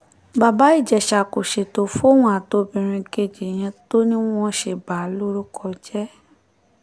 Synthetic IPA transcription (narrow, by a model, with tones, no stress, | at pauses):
ba˨ba˨˦i˦˨d͡ʒɛ˨ʃa˨ko˨ʃe˨to˧fo˦w̃ɔ̃˦a˨to˧˦bĩ˧ɾ̃ĩ˧ɡe˦˨d͡ʒe˨j̃ɛ̃˧to˦nĩ˦w̃ɔ̃˦ʃe˧˨ba˨˦lo˦ɾu˦kʰɔ˧d͡ʒɛ˦